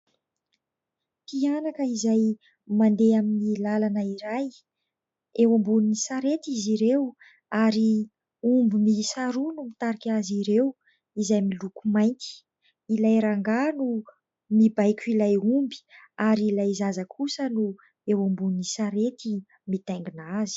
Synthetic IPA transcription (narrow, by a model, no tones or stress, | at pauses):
p̪ianakəizaj | mand̪eaminilalanəiɾaj | ewambuninisaɾet̪iziɾew | aɾi | umbimisaɾunumit̪aɾikʲaziɾew | izajmilukumajnt̪i̥ | ilajɾaŋɡanu | mibajkʲuilajumbi̥ | aɾiilajzazakʰusənu | ewambuninisaɾet̪i | mit̪ajŋɡinazi̥